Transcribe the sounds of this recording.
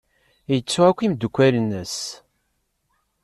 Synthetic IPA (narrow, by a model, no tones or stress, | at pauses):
jət͡sːuækʷːimd̪ukʷːælənːəs